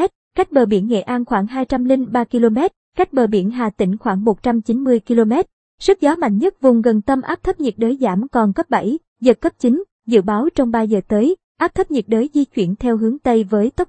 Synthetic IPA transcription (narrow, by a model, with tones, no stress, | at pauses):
ɛ˦˥t̚ka˦˥jk̟̚ɓəː˨˩ɓḭ˧˩ənŋḛ˧˨ʔaː˧nxwaː˧˩ŋɦaː˧jt͡ɕa˧mlï˧ŋɓaː˧ki˧lo˧mɛ˦˥t̚ka˦˥k̟̚ɓəː˨˩ɓḭ˧˩ənɦaː˨˩t̪ḭ̈˧˩ŋ̟xwaː˧˩ŋmo˨˩t̚t͡ɕa˧mt͡ɕi˨˦nmɨ˧əjki˧lo˧mɛ˦˥t̚ | sɨ˦˥k̚zɔ˨˦ma̰˧˨jŋ̟ɲə˦˥t̚vʊ˨˩ŋ͡mɣə˨˩nt̪ə˧mʔaː˦˥p̚t̪ʰə˦˥p̚ɲi˨˩t̚ɗəː˨˦jzaː˧˩mkɔ˨˩nkə˦˥p̚ɓa̰˧˩j | zəː˨˩kːəː˦˥p̚t͡ɕi˨˦ŋ̟ | zɨ̰˧˨ɓaː˨˦wt͡ɕɔ˧wŋ͡mɓaː˧zəː˨˩t̪əː˨˦j | ʔaː˦˥p̚t̪ʰə˦˥p̚ɲi˨˩t̚ɗəː˨˦jzi˧t͡ɕwḭ˧˩ənt̪ʰɛ˧wɦɨ˨˦əŋt̪ə˧jvəː˨˦jt̪ə˦˥p̚